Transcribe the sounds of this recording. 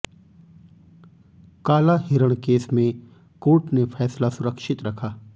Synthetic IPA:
kaːlaɦɪɾəɽ̃keːsmẽ | koːʈnefʰɛːslasʊɾəkʃɪt̪ɾɐkʰaː

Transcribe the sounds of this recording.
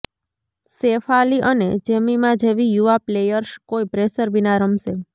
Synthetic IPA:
sefaliʔəned͡ʒemimãd͡ʒeʋijuaplejəɾskoipɾesəɾbinaɾəmse

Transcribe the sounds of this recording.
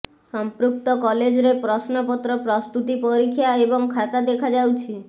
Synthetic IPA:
sɔmpɾuk̚t̪ɔkɔled͡ʒɔɾepɾɔsnɔpɔt̪ɾɔpɾɔst̪ut̪ipɔɾikʰjaebɔŋkʰat̪ad̪ekʰad͡ʒawt͡ʃʰi

